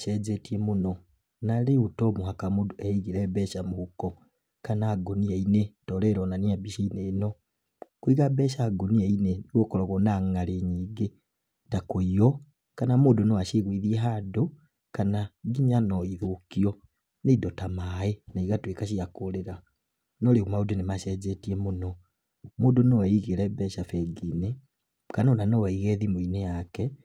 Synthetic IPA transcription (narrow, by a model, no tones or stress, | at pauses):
ʃed͡zetiemuno | naliutomuhakamudeiɣiɾebeʃamuhuko | kanaːɡoniainetoleɾonaniabiʃeineno | kwiɣabeʃaɡonieineniwokoɾoɣonaŋaleɲiɡe | takoijo | kanamoːdonɔwaʃeɣwiðiɛɦado | kanaɡiɲanɔiðokiɔ | neidɔtamaenaiɣatwekaʃiakoɾeɾa | nɔleɣumaudenemaʃɛzɛtiɛmonɔ | moːdonɔɛiɣeɾɛbɛʃafɛɡine | kanɔnanɔwaiɣɛðimoinejakɛ